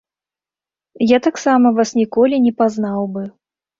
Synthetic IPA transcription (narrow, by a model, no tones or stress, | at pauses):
jat̪aksamɐvasnʲikɔlʲinʲɛpaznawbɨ